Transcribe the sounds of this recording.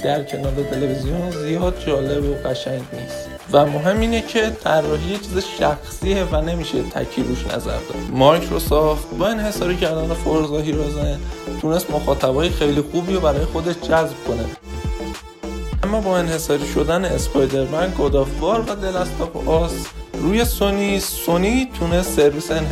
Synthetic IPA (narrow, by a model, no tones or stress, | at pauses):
d̪̥æɾcʰe̞nɒːɾet̪ʰe̞le̞vizijonzijɒːd̪̚d͡ʒɒːle̞boɣæʃæɲɟniːst̪ | væmoɦe̞mːiːnecʰe̞t̪ʰærːɒːɦiːjet͡ʃʰiːzeʃæxsiːevæne̞miːʃet̪ʰæ̰cʰiːd̪uʃnæ̰zæ̰ɾd̪ɒ̰ːd̪mɒɾkʰɾosɒxt̪bɒːe̞nhe̞sɒːɾiːcʰæɾd̪ænefoɾzɒːɦiːɾozent̪ʰune̞st̪moxɒːt̪ʰæbɒːjexe̞jlixuːbiːjobæɾɒːjexo̞d̪et̪ʰd͡ʒæzb̚kʰo̞nḛ | ʔæmːɒːbɒːe̞nhe̞sɒːɾiːʃo̞d̪æneːspʰɒjd̪e̞ɾbænd̪ɡod̪ɒːfbɒːɾbæd̪elæst̪ʰɒbʔɒsɾuːje̞sonisːonit̪ʰune̞st̪se̞ɾviːseːn